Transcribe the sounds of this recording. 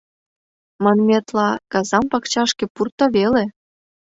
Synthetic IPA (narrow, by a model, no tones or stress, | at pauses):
mɤnmʲet̪lɑkɑzɑmpɑkt͡ɕɑʃkĕpurt̪oβele